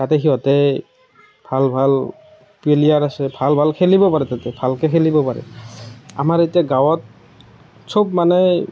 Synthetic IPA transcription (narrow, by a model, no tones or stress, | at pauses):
tatɛxiɔtɛ | bʱalbʱal | pelijaɹasɛbʱalbʱalkʰelibɔpaɹɛtatɛbʱalkɛkʰelibɔpaɹɛ̰ | a̰maɹetijaɡawɔt̚ | sobmanɛ